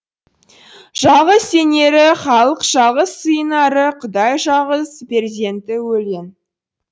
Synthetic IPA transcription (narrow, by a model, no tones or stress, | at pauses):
ʒ̥ɑʁəse̞ne̞ɾɪχɑlˠəqʒ̥ɑʁəsːəjənɑɾəqʰʊd̪ɑjʒɑʁəzpʰe̞ɾzʲent̪ɪwɵlen